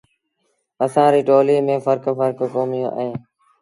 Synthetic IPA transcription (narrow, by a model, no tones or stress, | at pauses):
əsãːɾiːʈoːliːmẽːfəɾkfəɾkkoːmɪjõːʔə̰ẽː